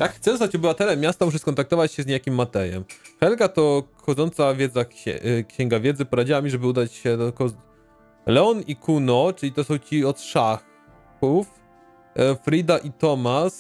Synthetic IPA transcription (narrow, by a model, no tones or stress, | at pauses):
jakxt̪ɛzt̪at͡ɕɔbɘvat̪ɛlɛmʲːjast̪amuʂ̬ɛskɔnt̪ak̚t̪ɔvat͡ɕɕɛzɲejakʲimːat̪ɛjɛ̰mxɛlkat̪ɔxɔd̪zɔnt̪savʲjɛd̪zakɕɛ̰kɕɛŋɡavʲjɛd̪zɘpɔɾad͡ʑiwamʲiʐɛbɘud̪at͡ɕɕɛd̪ɔkɔ | lɛɔnikʰunɔt͡ʂɘlʲit̪ɔsɔ̃w̃t͡ɕiɔt̪ʂa | uf | fɾid̪aʔit̪ɔmas